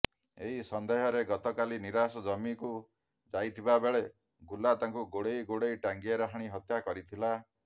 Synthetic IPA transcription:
ḛɦisɔnd̪eɦɔɾeɡɔt̪ɔkaliniɾasɔd͡ʒɔmiku | d͡ʒajt̪ʰibabeɭe | ɡulat̪aŋkuɡoɽejɡoɽejʈaŋɡiaɾaɦaɽ̃iɦɔt̪jakɔɾit̪ʰila

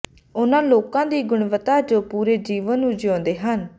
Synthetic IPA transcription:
ʊnãːloːkãːd̪iːɡʊɳʋət̪aːd͡ʒoːpuːɾeːd͡ʒiːʋənnũd͡ʒɔ̃ːnd̪eːɦən

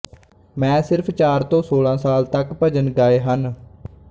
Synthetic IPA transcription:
mɛ̃ːsɪɾpʰt͡ʃaːɾt̪õːsoːlãːsaːlt̪əkpəd͡ʒənɡaːeːɦən

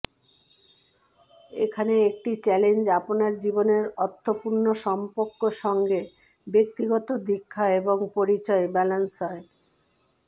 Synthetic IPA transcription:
ḛkʰaneek̚ʈit͡ɕɛlend͡ʑaponaɾd͡ʑiboneɾɔt̪ʰːopuɾnoʃɔmpoɾkːoʃɔŋɡe | bek̚t̪iɡɔt̪od̪ikʰːaeboŋpoɾit͡ɕɔebɛlansɔe

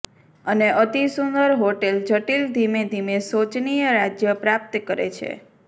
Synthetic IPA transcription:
əneʔət̪isund̪əɾɦoʈeld͡ʒəʈild̪ʱimed̪ʱimesot͡ʃnijəɾad͡ʒjəpɾap̚t̪kəɾḛt͡ʃʰḛ

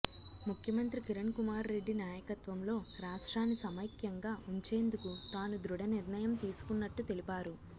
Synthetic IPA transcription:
mukʰjɐmɐnt̪ɾikiɾɐɳkumaːɾːe̞ɖːinaːjɐkɐt̪ʋɐmlo̞ːɾaːʂʈɾaːnːisɐmɐjkjɐŋɡaːʔuɲt͡ʃe̞ːnd̪ukut̪aːnud̪ɾuɽɐniɾnɐjɐmt̪iːsu̥kunːɐʈːut̪elipaːɾu

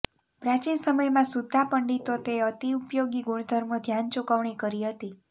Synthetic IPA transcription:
pɾãt͡ʃinsəməjmãsud̪ʱːapəɳɖit̪ot̪eət̪iupjoɡiɡuɽ̃d̪ʱəɾməd̪ʱjant͡ʃukəʋɳikəɾiɦət̪i

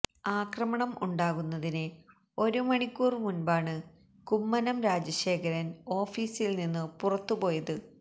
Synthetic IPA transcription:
aːkrɐmɐɳɐmʔṵɳɖaːɣunːɐðinɨ | o̞ɾumɐɳikʲːuːrmunbaːɳɨ | kumːɐnɐmɾaːd͡ʑɐɕe̞ːkɐɾɐno̞ːfiːsilninːɨpurɐt̪ːupo̞ːjɐðɨ

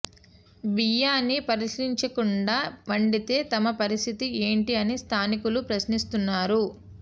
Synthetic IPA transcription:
bijaːnːipɐɾiʂiɲt͡ʃɐkuɳɖaːʋɐɳɖit̪e̞ːt̪ɐmɐpɐɾist̪ʰit̪ie̞ːɳʈiɐnist̪ʰaːnikulupɾɐsnist̪unːaːɾu

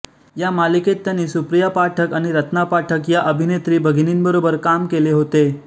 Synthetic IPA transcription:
jamaliket̪ːjanːiːsupɾijapaʈʰəkaɽ̃iɾət̪napaʈʰəkjaʔəbʱinet̪ɾiːbʱəɡiniːnbəɾobəɾkamkeleɦot̪e

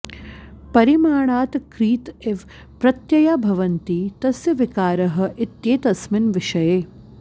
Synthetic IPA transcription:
pɐɾimaːɭaːt̪kɾiːt̪eʋ | pɾɐt̪jɐjaːbʱɐʋɐnt̪iːt̪ɐsjɐʋɪkaːɾɐɦɐ̆ʔɪt̪jeːt̪ɐsmɪnʋɪʃɐjeː

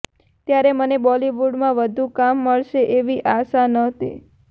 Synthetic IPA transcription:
t̪jaɾemənebɔliʋuɖmãʋəd̪ʱũkamːəɭʃeʔeʋiʔasanət̪ʰḭ

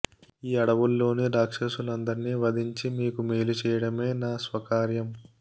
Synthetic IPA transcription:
iːɐɽɐʋulːo̞ːniɖaːkʂɐsunɐnd̪ɐɾniʋɐd̪ʱiɲt͡ʃimiːkumeːlut͡ʃɛːjɐɽɐme̞ːnaːsʋɐkaːɾjɐm

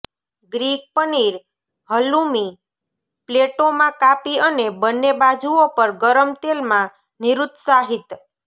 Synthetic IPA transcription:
ɡɾik̚pəniɾ | ɦəlumi | pleʈomãkapiənebənːebad͡ʒʱuopəɾɡəɾəmt̪elmã | niɾut̪saɦit̪

